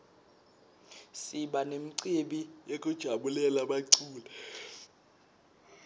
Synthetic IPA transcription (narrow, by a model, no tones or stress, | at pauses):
siɓanem̩ǀeɓijekʼud̥ʒ̥ʱaɓulɛlaɓaǀuːlɛ